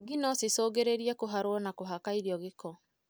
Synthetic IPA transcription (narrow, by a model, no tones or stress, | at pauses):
ɣinɔsisɔːɣeɾeɾiɛkoɦaɾwɔnakoɦakaiɾjɔɣekɔ